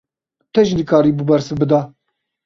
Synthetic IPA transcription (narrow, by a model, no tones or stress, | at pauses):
t̪ʰɛʒinɨkʰaːɾiːbubɛɾsɨbɨd̪ɑː